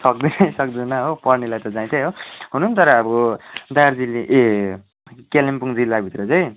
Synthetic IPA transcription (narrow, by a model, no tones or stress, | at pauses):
sʌk̚d̪inʌjsʌkd̪inʌɦopʌrnilajt̪ʌd͡zãĩt̪ʰejɦoɦununt̪ʌɾʌːbʌd̪ajard͡ziliʔe | kelempuŋd͡zilːabʱit̪rʌt͡sʌj̃